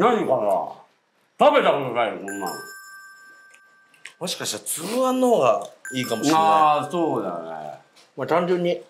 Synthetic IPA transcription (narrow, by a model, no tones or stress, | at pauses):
naɲ̟ikana̰ | t̪abe̞t̪akooɾaeɾɯkõnːã̰ | mo̞ɕi̥kaɕi̥t̪at͡sɨɯãnːooɡaiːkamo̞ɕiasoːd̪anḛ | mat̪ãɲ̟d͡ʑɯ̃ɲ̟ːi